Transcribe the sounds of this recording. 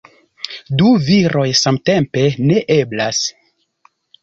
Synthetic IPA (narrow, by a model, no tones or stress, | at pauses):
duviɾo̞jsamte̞mpe̞ne̞ʔe̞blas